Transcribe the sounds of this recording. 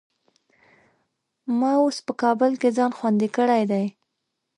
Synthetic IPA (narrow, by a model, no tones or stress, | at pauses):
mɑospəkɑbəlked͡zɑnxwand̪ikəɽajd̪aj